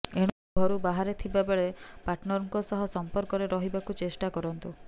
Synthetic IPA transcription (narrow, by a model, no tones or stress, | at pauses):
eɽ̃ɔɡʱɔɾubaɦaɾet̪ʰibabeɭepaʈnɔɾŋkɔsɔɦɔsɔmpɔɾkɔɾeɾɔɦibakut͡ʃesʈakɔɾɔnt̪u